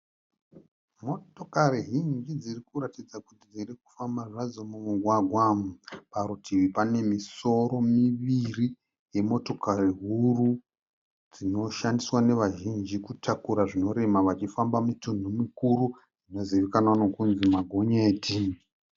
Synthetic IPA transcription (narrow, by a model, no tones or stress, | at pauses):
mo̞tokariɦiŋɡid͡zirikuɾatid͡zakutid͡ziriku̥fambaʐazo̞mumuɡʱwaɡʱwapaɾutʰiʋipane̞miso̞ɾo̞miʋiri | je̞mo̞to̞kaɾiɦuru | d͡zino̞ʃandiswane̞ʋaʒind͡ʒikutʰakuɾaʐino̞ɾe̞maʋat͡ʃifambamitundʱumikuru | d͡zino̞ziʋekananokunzimaɡʱoɲeːtʰi